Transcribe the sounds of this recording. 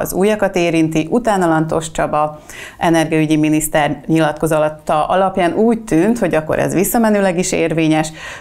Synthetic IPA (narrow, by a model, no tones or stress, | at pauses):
ɒ̰zuːjɒkɒt̪eːɾint̪iʔut̪aːnɒlɒnt̪o̞ʃt͡ʃɒbɒ | ʔɛnɛrɡɛyɟiminist̪ɛrɲilɒt̪̚ko̞zɒlɒt̪ːɒʔɒlɒpjaːnʔuːc̚t̪ynt̪ho̞ɟɒkːo̞̰ɾʔɛ̰zʋisːɒmɛnøːlɛɡiʃeːrveːɲɛʃ